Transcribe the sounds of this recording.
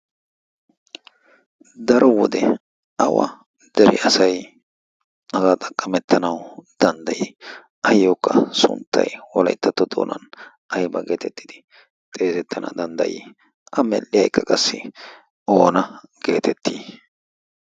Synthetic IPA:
d̪ɐɾʔɔwɔd̪ɛ | ɐwɐ̰ | d̪̥ɛɾɪʔɐsɐj | ɐzaːt̪ʼɐkʼːɐmɛt̪ʰːɐnɐwd̪̥ɐnd̪ɐji | ɐjːokːɐsʊ̰nt̪ːɐ̰jwɔlɐjt̪ːɐt̪ːɔd̪o̰ːnɐ̰n | ʔɐjbɐɡe̞ːt̪ɛt̪ːɪd̪̥ɪ | t̪ʼeːzɛt̪ʰːɐnʔɐ̰d̪ɐnd̪ɐ̰jɪ̰ | ʔɐmɛlːɪjɐjkːɐkʼɐsːɪ | oːnɐɡ̥e̞̰ːt̪ɛt̪ːiː

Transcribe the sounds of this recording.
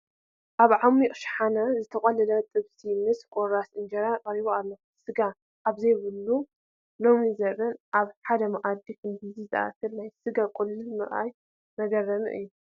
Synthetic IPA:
ʔaβʕamiʔʼʃħanazɨt̪ʰɐqʼɐlɨlɐt̪ʼɨβsimɨskʼoɾasʔɨnd͡ʒɐɾakʼɐɾiβoalːo | sɨɡa | ʔaβzɐjβɨlːu | lomizɐɾɐnʔaβħad̪ɐmaʔad̪ikʰɨnbɨzizɨ̰ʔa̰t̪ʰɨlnajsɨɡakʼulːɨlmɨχʼa̰j | mɐɡɐrɐnɨ̰ʔɨ̰jːu

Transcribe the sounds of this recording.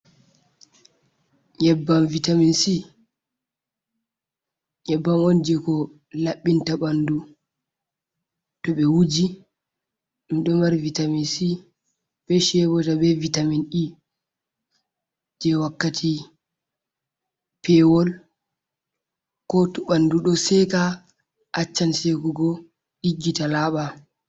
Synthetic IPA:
ɲɛbːamvitaminsi | ɲɛbːamɔnd͡ʒɛkɔ | laɓːintaɓandu | tɔɓɛwud͡ʒi | miɗɔmaɾvitaminsi | bɛʃɛbɔtabɛvitaminɗi | d͡ʒɛwakːatʰi | pɛwɔl | kɔtɔɓanduɗɔsɛka | ʔat͡ʃːansekuɡɔ | ɗiɡːitalaːɓa

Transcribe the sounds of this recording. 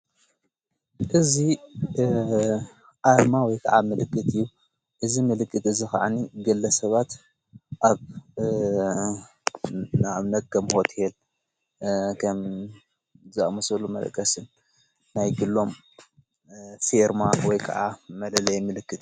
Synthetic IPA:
ʔɨzi | ʔaɾmawɔjkʰɐʕamɨlɨkːɨt̪ʰɨjːu | ʔɨzimɨlɨkʰʼːɨt̪ɨzixɐ̰ʕaniɡɐlːɐsɐβat̪ | ʔaβ | nɨβnɐt̪̚kʰɐmho̞t̪ʰel | kʰɐm | zɨamɐsɐlumɐ̰lkʼːɐsɨnː | ajɡɨlːo̞m | feɾmawɔjkʰɐʕamɐlɐlɐjmɨlɨkːɨt̪

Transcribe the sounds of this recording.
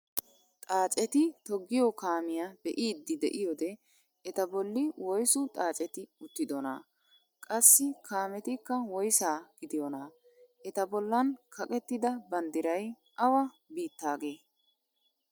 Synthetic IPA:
t̪ʼaːt͡ʃʼɛt̪ɪt̪ɔɡːɪjɔkaːmɪjabɛʔiːd̪ːɪd̪ɛ̰ʔɪjɔd̪ɛ | ɛt̪ɐbɔlːɪwɔjsʊt̪ʼaːt͡ʃʼɛt̪ɪʊt̪ːɪd̪ɔna̰ | kʼɐsːɪkʰaːmɛt̪ɪkːɐwɔjsaːɡ̥ɪd̪ɪjɔna | ʔɛt̪ɐbɔlːɐnkʰɐkʼɛt̪ːɪd̪ɐbɐnd̪ɪɾɐj | ʔɐwɐ | biːt̪ːaːɡeː

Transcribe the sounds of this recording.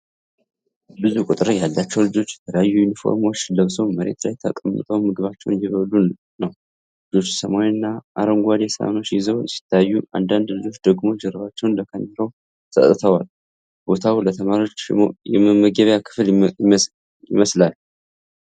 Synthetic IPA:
bɨzukʼut̪ʼɨɾjalːat͡ʃːɛwlɨd͡ʒo̞t͡ʃːjɛt̪ʰələjajːujunifo̰ɾmo̞t͡ʃːləβsəwməɾe̞̰t̪lajt̪ʰəkʼəmːə̰t̪ʼəwmɨɡɨβat͡ʃːɛ̰wnjɛβəlːu | nəw | lɨd͡ʒo̞t͡ʃːsəmawnːaʔa̰ɾəmɡʷad̪esəa̰not͡ʃːjɛzəwjɛsi̥t̪ʰːajajːuʔa̰nd̪and̪lɨd͡ʒo̞t͡ʃd̪əɡmo̞t͡ʃːjɛɾβat͡ʃːɛwnləkʰənlʰəw | sə̰t̪ʼɨt̪ʰəwal | b̥o̞t̪ʰawlət̪ʰəmaɾio̞t͡ʃːjɛməməɡəβjakʰɨ̥fl | jɪ̰məslal

